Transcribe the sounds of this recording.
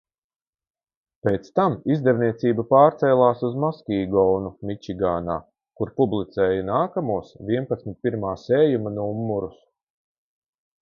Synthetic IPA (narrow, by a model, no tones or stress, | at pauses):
peːt̪st̪amizd̪ɛvniɛt̪siːbapaːɾt̪sɛːlˠaːsuzmaskʲiːɡɔːnumʲit͡ʃiɡaːna̰ː | kuɾpublˠit̪sɛːjanaːkamuɔsvʲiɛnpat̪smʲɪt̪̚piɾmaːseːjumanuumːuɾus